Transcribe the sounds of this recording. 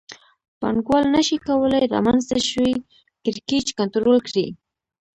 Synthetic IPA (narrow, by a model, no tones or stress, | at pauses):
pa̰ɳɡwalnaʃikawəlajɾa̰manzt̪aʃwi | kɪɾket͡ʃkant̪ɾolkɽi